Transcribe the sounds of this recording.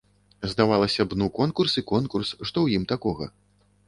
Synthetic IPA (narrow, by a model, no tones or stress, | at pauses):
zd̪avalˠɐsʲɐbnukɔnkursikɔnkursʂt̪ɔwjimt̪akɔɣɐ̰